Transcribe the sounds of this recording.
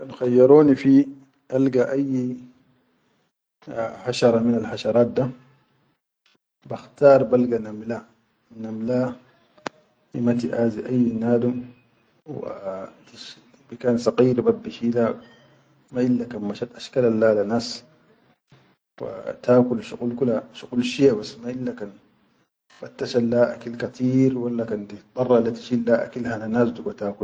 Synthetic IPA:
nxajːɑɾˤuːnifi | ʔalɡaʔajː | haʃɑɾˤɑminalħaʃɑɾˤɑːt̪̚d̪a | baxt̪ɑːɾˤbalɡanamla | namla | imat̪̬iʔaːziʔajːnaːd̪um | w̰t̪iʃ | bikaːnsɑqiːɾbabːiʃiːla | maʔilːakanmaʃat̪ʔaʃkalalːaːlanas | fa̰t̪aːkulʃuqulkulaʃuqulʃiabasːmailːakan | fat̪ːaʃalːaʔa̰kilkat̪ʰiːɾwalːakand̪it̪ˤːɑrˤːɑlat̪i̥ʃilːaʔa̰kilhalanaːsd̪uɡat̪aːkul

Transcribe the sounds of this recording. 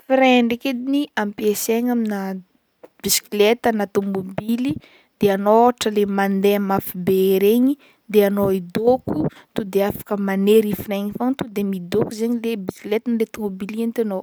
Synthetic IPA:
fiɾeɳɖ͡ʐeked̪iniampieseɲamina | b̥isi̥kilet̪ənat̪omobili | d̪̥eanoaʈ͡ʂəlemand̪eamafibeeɾeɲi | d̪eanoid̪okut̪ud̪eafḁkəmaneɾifireɲifaŋt̪ud̪emid̪okuzeɲilebisklet̪ənlet̪omobiliant̪eno

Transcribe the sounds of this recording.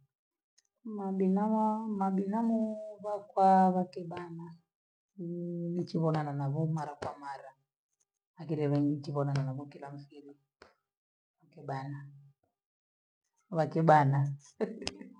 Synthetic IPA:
maɓinamaɓinamuβakwaβakɛɓana | nit͡ʃiβɔnananaβumaɾakwamaɾa | akiɾɛβɛŋɡit͡ʃiβɔnananaβukilam̩fiɾi | βakɛɓana | βakɛɓana

